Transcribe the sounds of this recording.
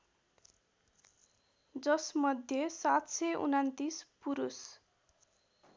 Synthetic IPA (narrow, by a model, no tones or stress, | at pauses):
d͡zʌsmʌd̪ʱjʌsat̪seʔṵnant̪ispuɾus